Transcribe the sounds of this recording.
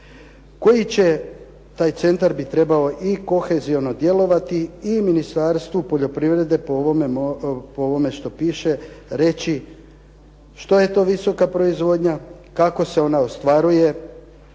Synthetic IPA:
ko̞jit͡ɕe̞ | t̪aːjt̪se̞nt̪aɾbit̪ɾe̞baoʔiko̞xe̞zio̞no̞d̪je̞lo̞ʋat̪iːminist̪aɾst̪ʋupo̞ʎo̞pɾiʋɾe̞d̪e̞poo | pooʋo̞me̞ʃt̪o̞piːʃe̞ɾe̞t͡ɕi | ʃt̪oje̞t̪o̞ːʋiso̞kapɾo̞izʋo̞d̪ɲakako̞se̞o̞naost̪ʋaɾuje̞

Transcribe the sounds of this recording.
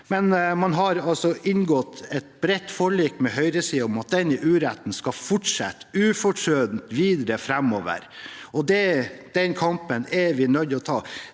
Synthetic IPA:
mɛnmɑnɦɑɾɑlsɔʔɪnɡɔt̪ɛt̪bɾɛt̪ːfɔɭiːkmɛɦœʏɾəsiːɔmɑt̪̚d̪ɛnɪʔʉːɾæt̪ːn̩skɑfʊʈʂɛ̰t̪ːʉːfɔʂøːd̪nt̪ʋiːd̪ɾəfɾæmoːʋə̰ɾɔd̪ɛd̪̥ɛnkʰɑmpənɛʋɪnœd̪ɔt̪ʰɑː

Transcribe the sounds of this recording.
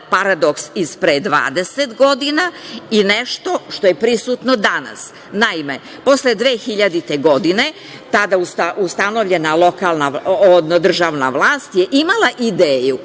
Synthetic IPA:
paɾad̪o̞ksispɾed̪ʋa̰ːd̪eset̪ɡo̞d̪inaineʃt̪o̞ʃt̪o̞je̞pɾisuːt̪nod̪ana̰s | naime̞ | po̞sled̪ʋe̞ːxiʎad̪it̪e̞ɡo̞d̪ine̞ | t̪ad̪aust̪aʔust̪ano̞ʋʎe̞nalo̞kaːlˠnaod̪nd̪r̩ʒaːʋna̰ʋlˠaːst̪jeʔimalˠaʔid̪eːju

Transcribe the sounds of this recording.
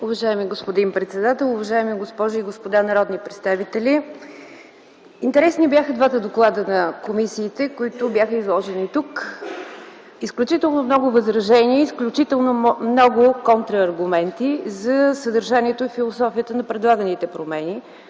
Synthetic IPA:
ʊvɐʒaɛmiɡospod̪inpɾɛt̪sɛd̪at̪ɛlˠʊvɐʒaɛmiɡospɔʒʊiɡospod̪anɐɾɔd̪nipɾɛt̪st̪avit̪ɛlʲi | int̪ɛɾɛsnibjaxəd̪vat̪əd̪oklˠad̪ənɐkomisiːt̪ɛkoit̪ʊbjaxəizlˠɔʒɛnit̪uk | isklʲut͡ʃit̪ɛlˠnomnɔɡʊvəzɾɐʒɛniəisklʲut͡ʃit̪ɛlˠnomnɔɡʊkɔnt̪ɾəːɾɡʊmɛnt̪izɐsəd̪əɾʒaniɛt̪ʊifilˠosɔfiət̪ənɐpɾɛd̪lˠaɡənit̪ɛpɾomɛni

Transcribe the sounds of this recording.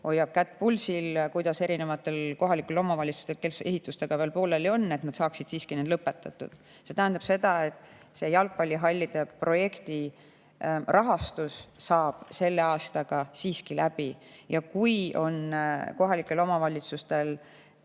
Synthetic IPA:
o̞jːɑb̥̚kæt̪ːˑpulsilkujd̪̥ɑse̞ɾine̞vɑt̪ːˑe̞lko̞ɦɑlikːˑe̞lo̞mɑvɑlʲit̪sust̪elkelse̞ɦit̪ːˑust̪e̞ɡ̥ɑveːlpo̞ːlelio̞nːe̞t̪nɑd̪̥sɑːksid̪̥siːskinend̪lɤpːe̞t̪ːˑɑt̪ːˑṵd̪̥ | se̞t̪æɦænd̪ɑb̥se̞d̪̥ɑe̞t̪ːˑ | se̞jɑlɡ̚pɑlʲːiɦɑlʲːid̪̥e̞pro̞je̞kt̪i | rʔɑɦɑst̪ussɑːb̥se̞lːe̞ɑːst̪ɑɡ̥ɑsiːskilæb̥ijɑkujo̞nko̞ɦɑlikːˑe̞lo̞mɑvɑlʲit̪sust̪e̞l

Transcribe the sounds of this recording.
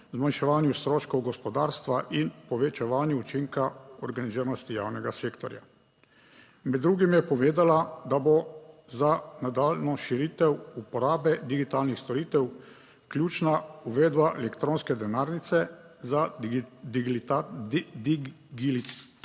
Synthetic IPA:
zmanʃɛʋaːnjust̪ɾoːʃkɔwɡɔspɔd̪aːɾst̪ʋaʔinpɔʋɛt͡ʃɛʋaːnjuut͡ʃiŋkaɔɾɡaniziːɾnɔst̪ija̰ːwnɛɡaseːkt̪ɔɾja̰ | mɛd̪ːɾuːɡimjɛpɔʋeːd̪alad̪abozanad̪aːlnɔʃiɾiːt̪ɛwupɔɾaːbɛd̪iɡit̪aːlnixst̪ɔɾiːt̪ɛw | klʲjuːt͡ʃnauʋeːd̪baʔɛlɛkt̪ɾoːnskɛd̪ɛnaːɾnit̪sɛ | zad̪ | d̪ɡil

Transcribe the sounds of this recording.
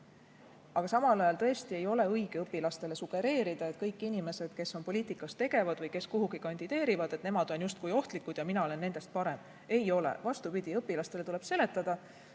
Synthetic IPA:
ɑɡ̥ɑsɑmɑlɑjɑlt̪ɤe̞st̪ie̞jo̞le̞ɤjɡ̥eɤpːilɑst̪e̞le̞suɡ̥e̞ɾe̞ːɾid̪ɑet̪kɤjkːˑinime̞se̞d̪̥ke̞so̞npo̞lʲiːt̪ikːˑɑst̪e̞ɡ̥e̞vɑd̪̥vɤjke̞skuɦuɡ̥ikɑnʲd̪̥id̪̥e̞ːɾivɑd̪̥e̞t̪ne̞mɑd̪̥o̞njust̪̚kujo̞ht̪likːˑud̪̥jɑminɑo̞le̞nːend̪̥e̞st̪̚pɑɾe̞m | e̞jo̞lḛvɑst̪upid̪̥iɤpːˑilɑst̪e̞le̞t̪ule̞b̥se̞le̞t̪ːˑɑd̪̥ɑ

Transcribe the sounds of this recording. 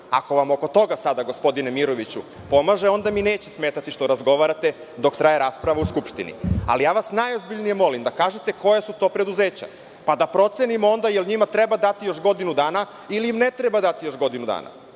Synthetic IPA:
a̰ko̞ʋamo̞ko̞t̪o̞ɡasad̪aɡo̞spo̞d̪inemiɾo̞ʋit͡ɕu | po̞maʒeo̞nd̪amine̞ːt͡ɕesme̞ːt̪at̪iʃt̪o̞ɾazɡo̞ʋaɾat̪e̞ | d̪o̞kt̪ɾajeɾaːspɾaʋauskupʃt̪inḭa̰lijaːʋasnajozbiʎnijemo̞limd̪akaːʒet̪e̞ko̞jasut̪o̞ːpɾe̞d̪uzeːt͡ɕa̰ | pad̪apɾo̞t̪se̞nimo̞nd̪ajelɲimat̪ɾebad̪at̪ijo̞ʃɡo̞d̪inud̪aːna | iliimne̞t̪ɾebad̪at̪ijo̞ʃɡo̞d̪inud̪a̰ːna̰

